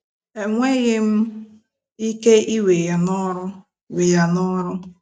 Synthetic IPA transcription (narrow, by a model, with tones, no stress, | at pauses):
e˨ŋʷe˦ɣɪ˦m̩˦ | i˦ke˦i˦we˨ja˨nɔ˦ɾʊ˦ | wi˨ja˨nɔ˦ɾʊ˦